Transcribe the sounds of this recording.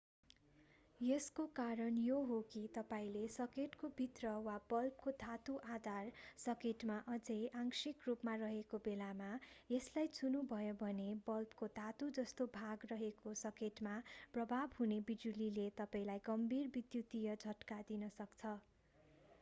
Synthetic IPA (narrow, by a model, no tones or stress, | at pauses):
jeskokaɾʌnjoɦokit̪ʌpaĩlesʌkeʈkobʱit̪rʌwabʌlp̚kod̪ʱat̪uʔad̪ʱarsʌkeʈmaʔʌd͡zejʔaŋsikrupmarʌɦekobelamajeslajt͡sunubʱʌjobʱʌnebʌlpkod̪ʱat̪ud͡zʌst̪obʱaɡrʌɦekosʌkeʈmaprʌbʱabɦunebid͡zulilet̪ʌpaĩlajɡʌmbʱirbid̪jut̪ijʌd͡zʱʌʈkad̪inʌsʌkt͡sʰʌ